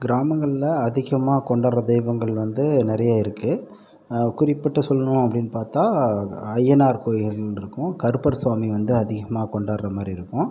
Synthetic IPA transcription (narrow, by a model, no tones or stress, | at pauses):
ɡɪɾaːmɐŋɡɐɭɪlɐɐðɪɣɐmaːkɔɳɖaːɾɐd̪ɛɪʋɐŋɡɐɭʋɐnd̪ɯnɪɾɐjaːɪɾɯkːɯ | kʊɾɪpːɐʈːɐsɔlːɐnʊ̃ɐpːɐɽɪnːpaːɾt̪aːɐjːɛnaːɾkoːjɪɣɐllɪɾɯkːʊ̃kɐɾɯpɐɾsʋaːmiʋɐnd̪ɯɐðɪɣɐmaːkɔɳɖaːɾɾɐmaːd̪ɾiɪɾɯkːʊ̃